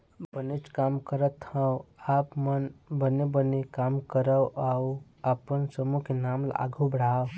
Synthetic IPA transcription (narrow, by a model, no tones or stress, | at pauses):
bənit͡ʃkaːmkəɾət̪hə̃wapmənbənebənekaːmkəɾəwaw | əpənsəmukenaːmla̰ɡʱubəɽaːw